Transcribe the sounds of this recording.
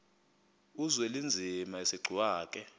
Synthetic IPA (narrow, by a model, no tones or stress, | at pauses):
uzwɛlind͡zʱimaisiɡ͡ǀʱiwaːk̬ʼɛ